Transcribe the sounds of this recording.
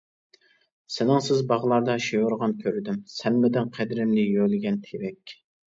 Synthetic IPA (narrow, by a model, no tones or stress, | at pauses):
sɪnɪŋsɪzbɑʁəlˠɑɾd̪ɑʃejʊɾʁɑnkʲʰøɾɪd̪ymsɛnmɪd̪ɪnqʰæd̪ɪɾɪmlɪjølɪɡʲɛnt̪ʰevɛkʲ